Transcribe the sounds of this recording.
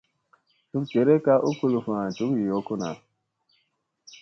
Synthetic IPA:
tu˦k̚d͡ʒe˨ɾe˦ka˦ʔu˦ku˦lu˨fã˨tu˨˦ki˨jɔ˨˦ku˦na̰˨

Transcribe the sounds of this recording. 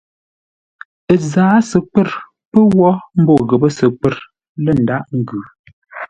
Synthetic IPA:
ə˨zaː˨˦sə˨k͡pə˦˨ɾ | pə˦wɔ˦m̩˦bo˦˨ɣə˨bə˦sə˨k͡pə˦˨ɾ | lə˦˨n̩˨da˦ʔŋ̩˨ɡʉ˨

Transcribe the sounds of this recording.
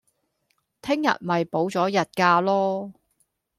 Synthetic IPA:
t̪ʰɪ˥ŋjɐ̰˨t̚mɐ˨˩jpo˨˥wt͡sɔː˨˥jɐ˨t̚kaː˧lɔː˥

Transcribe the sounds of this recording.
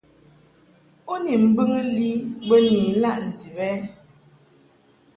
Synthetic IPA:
o˦ni˨m̩˦bɨ˦ŋə˦li˦bə˦niː˨˦la˦ʔn̩˨di˨bɛ˦

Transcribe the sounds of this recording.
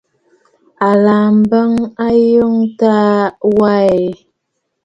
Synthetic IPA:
a˨la˨m˦bə˦ŋa˦jo˦ŋta˦wa˦˨e˨

